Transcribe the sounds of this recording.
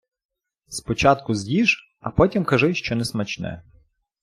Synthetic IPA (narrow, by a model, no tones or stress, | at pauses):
spɔt͡ʃɑt̪kʊzʲjʲiʒ | ɐpɔtʲimkɐʒɪʃt͡ʃɔnɛsmɐt͡ʃnɛ̰